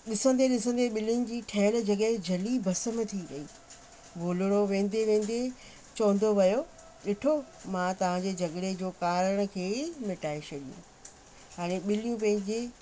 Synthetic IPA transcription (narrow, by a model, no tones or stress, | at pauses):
ɗɪsə̃nd̪eɗɪsə̃nd̪eɓɪlnɪ̆d͡ʑiːʈʰɐːɪɽd͡ʑɐɠəɦd͡ʑʱɐlibʱɐsəmt̪ʰiɾɐɦiː | ʋoːləɽ̃oʋẽːn̆d̪eʋẽːn̆d̪e | t͡ɕɐ̃ːn̆d̪oʋɐjo | ɗɪʈʰo | mãt̪ɐʋ̤ãɲd͡ʑeːd͡ʑɐɠɽed͡ʑoːkaːɾəɽ̃ə̆kʰeːmɪʈaːesʰɐɗijṵ̃ | ɦaːɽ̃eɓɪlijũp̬ɐ̃ɦɪ̃ɲd͡ʑe